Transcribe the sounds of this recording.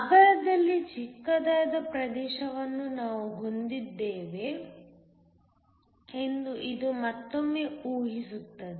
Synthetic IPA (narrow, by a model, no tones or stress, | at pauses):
ɐɡɐɾɐd̪ɐlːit͡ʃikːɐd̪aːjɐd̪ɐpɾɐd̪ɛːʃɐʋɐnːunaːʋuɦond̪id̪ːeːʋe̞ | end̪uʔid̪umɐt̪ːomːe̞ːʔuːɦisut̪ːɐd̪i